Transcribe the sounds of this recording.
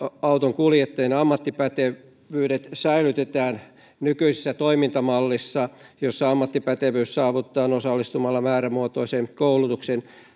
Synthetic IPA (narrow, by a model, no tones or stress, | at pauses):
ɑut̪oŋkuljet̪ːɑjenɑmːɑt̪ːipæt̪e | ʋyːɾet̪sæilyt̪et̪æːn | nykyisesːæt̪oimint̪ɑmɑlːisːɑjosːɑɑmːɑt̪ːipæt̪eʋyːssɑːʋut̪ːɑːnosɑlːist̪umɑlːɑmæːɾæmuot̪oisenkoulut̪uksen